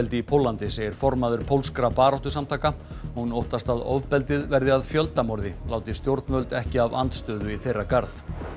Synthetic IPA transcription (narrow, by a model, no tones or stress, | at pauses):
ɛlt̪ɪipʰowlːant̪ɪseːjɪɾ̥fɔɾmaðʏɾ̥pʰowlskɾapaːɾawht̪ʏsamt̪ʰaːka | ɔhunowht̪ast̪aðɔ̰vpɛlt̪ɪðvɛɾðɪaðfjœlt̪amɔɾðɪlaːwt̪ɪst̪jowɾt̪nmœlt̪ɛhcɪava̰nt̪st̪œːðʏiθejrːakaɾθ